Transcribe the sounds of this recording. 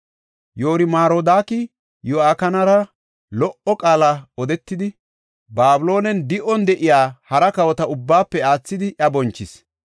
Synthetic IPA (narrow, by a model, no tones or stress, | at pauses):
joːɾɪmaːɾoːd̪aːkɪ | joaːkɐnɐɾɐ | lɔʔɔkʼaːlɐɔd̪ɛt̪ːɪd̪ɪ | baːbʊlo̞ːnɛnd̪ɪʔɔnd̪ɛʔɪjaːhɐɾɐkɐwɔt̪ɐʊbːaːpːɛaːt͡sːɪd̪ɪʔɐbɔnt͡ʃːɪs